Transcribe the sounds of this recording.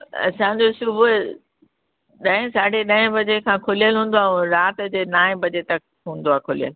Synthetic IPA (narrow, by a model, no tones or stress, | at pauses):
ɐ̰sãd͡ʑosʊbʱʊ | ɗɐ̃ɪ̃saːɖ̤ʱeɗɐ̃ɦɪ̃bɐd͡ʑekʰãːkʰolijəlɦũːn̆d̪oaːũɾaːt̪d͡ʑeːnaːɦɪ̃bɐd͡ʑet̪ɐk | ɦũːn̆d̪oaːkʰolijə̰l